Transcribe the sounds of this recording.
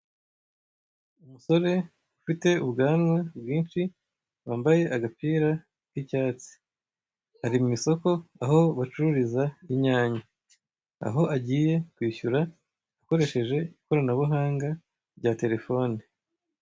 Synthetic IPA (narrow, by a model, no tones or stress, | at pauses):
umuso̞ɾe̞ | ufite̞uβɡaːnwabɡwiːnʃi | waːmbaje̞ʔaɡapiːɾa | kicaːt͡si̥ | haɾimumiso̞ko̞aɦo̞βat͡ʃuɾuɾizaiɲaːɲa | a̰ɦo̞ʔaɟiːje̞kwiːçuɾaː | ko̞ɾe̞ʃe̞ʒe̞iko̞ɾanaβuɦaːŋɡa | ɾɟate̞ɾe̞fo̞ːni